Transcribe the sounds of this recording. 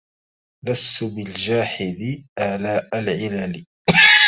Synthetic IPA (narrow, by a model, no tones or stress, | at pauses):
last̪ʊbɪld͡ʒaːħɪd̪ɪʔalaːʔalʕɪlalɪ